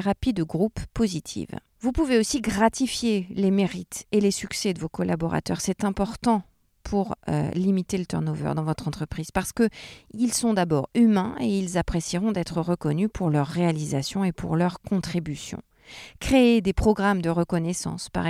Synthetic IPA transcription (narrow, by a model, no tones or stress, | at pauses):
ʁapid̪əɡʁupːozit̪ʰḭv | vupuveosiɡʁat̪ifjelemeʁit̪elesyksɛd̪əvokɔlʔa̰bɔʁa̰t̪œ̰ʁsɛt̪ɛ̃pɔʁt̪ɑ̃ | pʰuʁø̰limit̪elət̪ɛ̰ʁnovœ̰ʁd̪ɑ̃vɔt̪χɑ̃t̪χəpχiz̥paʁsə̥kəilsɔ̃d̪abɔ̰ʁymɛ̃eilzapχesiʁɔ̃d̪ɛt̪χəʁəkɔnypʰuʁlœʁːealizasjɔ̃epʰṵʁlœʁkʰɔ̃t̪χibysjɔ̰̃ | kχeed̪epχɔɡʁamd̪əʁəkɔnɛsɑ̰̃spa̰ʁ